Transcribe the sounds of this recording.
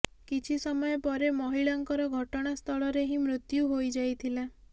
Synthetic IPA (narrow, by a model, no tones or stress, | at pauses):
kit͡ʃʰisɔmɔjɔpɔɾemɔɦiɭaŋkɔɾɔɡʱɔʈɔɽ̃ast̪ʰɔɭɔɾeɦĩmɾut̪juɦojd͡ʒajt̪ʰila